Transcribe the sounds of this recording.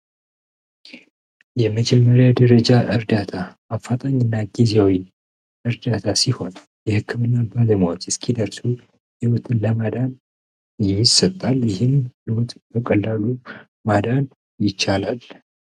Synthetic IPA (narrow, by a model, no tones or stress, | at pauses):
jɛməd͡ʒɛmːəɾjad̪əɾəd͡ʒaʔɨɾd̪at̪ʰa | afːat̪ʼaɲːɪnːaɡizewi | ʔɨɾd̪at̪ʰasiho̞n | jɛhɨkʰːɨmɨnːabaləmwat̪ɛskʰid̪əɾsu | hiwɔt̪ʰɨnləmad̪an | jɪsət̪ʼːaljɪhɨmhiwot̪bəkʼəlːalu | mad̪an | jɪt͡ʃːalal